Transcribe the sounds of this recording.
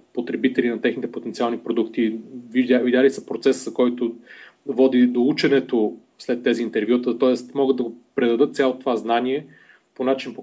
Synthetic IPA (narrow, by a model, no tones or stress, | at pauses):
pot̪ɾɛbit̪ɛlinɐt̪ɛxnit̪ɛpot̪ɛnt̪sʲialˠnipɾod̪ukt̪ivid̪ʲavidʲalisɐpɾot̪sɛszɐkɔjt̪o | vɔd̪id̪out͡ʃɛnɛt̪o | slɛt̪ːɛziːnt̪ɛɾvjut̪ət̪ɔɛst̪mɔɡɤd̪ːɐɡopɾɛd̪ɐd̪ɤt̪̚t̪sʲjalˠot̪ovaznaniɛ | ponat͡ʃinpo